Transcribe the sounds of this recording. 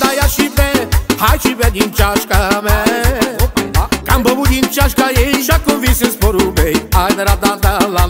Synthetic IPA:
d̪ajaʃipɛhajʃipɛd̪ĩnt͡ʃaʃkamɛ | kãmbobud̪ĩnt͡ʃaʃkajeʃakõvisespoɾubejajd̪aɾad̪ad̪ala

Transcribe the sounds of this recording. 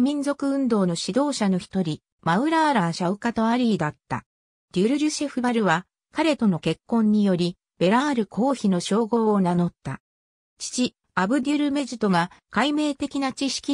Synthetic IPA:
mʲĩnzo̞kɯ̟ɯ̟̃nd̪o̞ːno̞ɕid̪o̞ːɕano̞çi̥t̪o̞ɾʲi | maɯ̟ɾaːɾaɕaɯ̟kat̪oaɾʲiːd̪at̪ːa̰ | d̪̥ʲɯɾɯ̟ɾʲɯ̟ɕe̞ɸɯbaɾɯ̟βa | kaɾe̞t̪o̞no̞ke̞kːõ̞ɲ̟ːijo̞ɾʲi | b̥e̞ɾaːɾɯ̟kʰo̞ːçino̞ɕo̞ːɡo̞ːnano̞t̪ːa | t͡ɕi̥t͡ɕi | abɯ̟d̪ʲiɾɯ̟me̞ʑit̪o̞ɡakaime̞ːt̪e̞kʲinat͡ɕiɕi̥kʲi

